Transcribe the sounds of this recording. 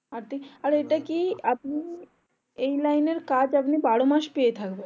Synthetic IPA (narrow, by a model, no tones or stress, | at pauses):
aɾt̪ʰikaɾeʈakiap̚ni | ejlajneɾkad͡ʑapnibaɽomaʃpejet̪ʰakben